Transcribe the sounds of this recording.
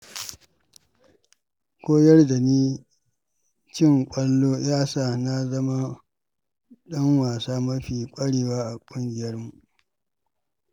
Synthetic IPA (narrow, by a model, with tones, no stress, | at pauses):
kʷoː˦jɐ˦rda˨niː˦ | t͡ʃɪ˦˨ŋkʷʼɐ˦lːoː˦jaː˦saː˦˨na˦zɐ˦ma˦ | ɗɐ˦ŋwaː˨saː˦mɐ˦ɸiː˨kʷʼɐ˦ɽeː˨waː˦ʔa˨kʷʼʊ˦ŋɡʲɪ˨jɐ˦rmu˨ʔ